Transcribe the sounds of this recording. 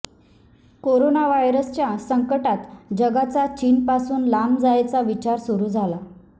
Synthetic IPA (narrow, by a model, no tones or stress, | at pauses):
koɾonaʋajɾəst͡ɕjasəŋkəʈat̪d͡ʑəɡat͡sat͡ɕiːnpasuːnlamd͡zajt͡saʋit͡ɕaɾsuɾuːd͡zʱala